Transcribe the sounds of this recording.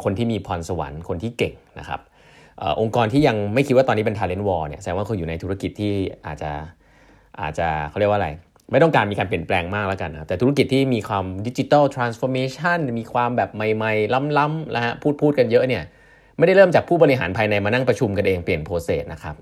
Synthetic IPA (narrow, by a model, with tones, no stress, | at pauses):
kʰo˧nt̪ʰiː˥˩miː˧pʰɔ˧nsa˧wa̰˩˦nkʰo˧nt̪ʰiː˥˩ke˨˩ŋna̰˦˥kʰa̰˦˥p̚ | ʔəː˨˩ʔo˧ŋkɔː˧nt̪ʰiː˥˩ja˧ŋma˥˩jkʰi˦˥t̚waː˥˩ɔː˧nːiː˦˥pe˧t̪ʰaː˧le˦˥nwɔː˧ni˥˩ɐsa˨ɛ˧ŋwaː˥˩kʰo˧njuː˨˩na˧jt̪ʰu˦˥a˦˧ki˨˩t̪ʰːiː˥˩ʔa̰ː˨˩t̪̚t͡ɕa˨˩ | ʔa̰ː˨˩t̪̚t͡ɕa˨˩kʰa˥˩ɾi˥˩wa˧˩a˧j | ma˥˩jt̪ɔ˥ŋkaː˧nmiː˧kaː˧npli˨˩ə˩nplɛː˧ŋmaː˥˩k̚laː˦˥ka˧nːa˦ka˦˥p̪̚ɛː˨˩t̪u˦˥a˥ki˨˩t̪ʰːiː˥˩miː˧kʰwaː˧mdi˦˥t͡ɕi˧t̪aː˥˩wt̪ʰɾaː˧nsfɔː˧meː˧t͡ɕʰa˥˩nmiː˧kʰwaː˧mbɛː˨˩p̚ma˨˩jma˧jla˦˥mla˦˥mla̰˦˥ha˦˥pʰuː˥˩t̪̚pʰuː˥˩t̪̚ka˧njɤ˦˥ʔni˥˩ɐ | ma˥˩jda˥˩jɾɤː˥˩mt͡ɕaː˨˩k̚pʰuː˥˩bɔ˧ɾi˧ɦa̰ː˩˦npʰaː˧jna˧jmaː˧na˥˩ŋpɾa˧t͡ɕʰu˧mka˧nʔeː˧ŋpli˨˩ənpʰoː˧seː˨˩t̪̚nʔa˦kʰa˦˥p̚